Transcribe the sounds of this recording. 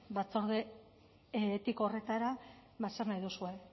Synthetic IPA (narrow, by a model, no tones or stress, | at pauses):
bat͡so̞ɾðe | t̪iko̞re̞t̪aɾaβasarnajðusue̞